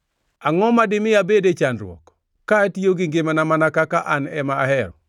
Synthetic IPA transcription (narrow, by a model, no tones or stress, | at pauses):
aŋɔmadɪmɪabedet͡ʃanɾwɔ̰k | kːatioɡɪŋɡɪmanamanakakaʔanɛmaːhɛɾɔ